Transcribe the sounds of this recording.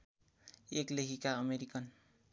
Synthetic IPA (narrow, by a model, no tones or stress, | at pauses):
eklekʰikaʌmeɾikʌn